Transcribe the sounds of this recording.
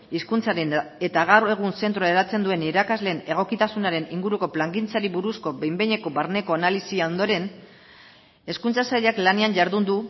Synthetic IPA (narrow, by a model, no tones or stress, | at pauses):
iskunt͡saɾene̞t̪aɣawɾe̞ɣ̞unse̞nt̪ɾoeɾat͡se̞nd̪ue̞niɾakazle̞ːne̞ɣ̞o̞kit̪asunaɾe̞niŋɡuɾuko̞plaŋɡint͡saɾiβuɾusko̞bejmbeɲe̞ko̞βaɾne̞ko̞analisiao̞nd̪o̞ɾe̞n | e̞skunt͡sasaʎaklaneanʝaɾðund̪u